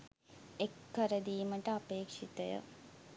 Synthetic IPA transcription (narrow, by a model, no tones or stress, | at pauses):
ekːəɾəd̪iːməʈəɐpeːkʂit̪əjə̰